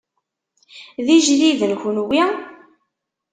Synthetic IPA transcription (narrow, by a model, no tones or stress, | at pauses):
ðiʒliðənçnwi